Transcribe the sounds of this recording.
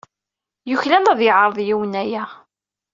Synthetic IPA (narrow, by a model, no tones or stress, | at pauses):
jʊçlænæðjəʕɾˤðˤjiwənæjæ